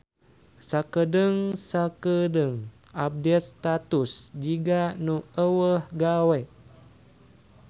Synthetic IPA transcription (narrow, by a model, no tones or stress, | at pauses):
sakədəŋsakədəŋ | ap̚dɛt̪̚st̪at̪usd͡ʒiɡanuəwəhɡawɛʔ